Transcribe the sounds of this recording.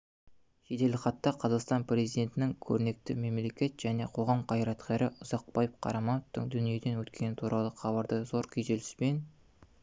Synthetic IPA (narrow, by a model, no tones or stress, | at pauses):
ʒed̪e̞lɪχɑt̪ːɑqʰɑzɑqst̪ɑnprʲe̞zijd̪e̞nt̪ɪnɪŋkʲʰɵɾɪne̞k̚t̪ɪme̞mle̞kʲe̞t̪ʒ̥æne̞qʰo̞ʁɑmqʰɑjɾɑt̪qʰʲeɾɪʔʊz̥ɑq̚bɑjəp̚qʰɑ̰ɾɑmɑnəft̪əŋd̪ʏnije̞d̪e̞nwɵt̪kʲe̞nɪt̪ʰuɾɑlˠəχʰɑbɑɾd̪əzo̞ɾkʲʰijʒelɪspe̞n